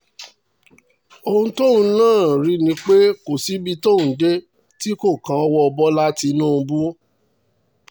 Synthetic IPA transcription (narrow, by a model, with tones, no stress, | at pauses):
o˧ũ˧˦to˦˨ũ˧˦nãː˦˨ɾi˨˧nĩ˧k͡pe˦ko˨si˨˦bi˧to˦˨ũ˨˦de˦ | ti˦ko˦˨kã˨˦ɔ˧wɔ˦ɔ˧bɔ˦la˦ti˧nũ˦˨ũ˧bu˦